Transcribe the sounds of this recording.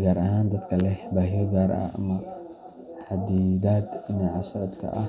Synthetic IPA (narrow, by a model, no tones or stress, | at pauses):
ɡaːɾɐɦaːnd̪ɐd̪kʰɐlɛbaːɦɪjɔɡaːɾɐ̰ʔɐ̰mɐ | ħɑd̪iːd̪aːd̪nɛʕɑsɔʕɔd̪kʰɐ̰ʔɐ̰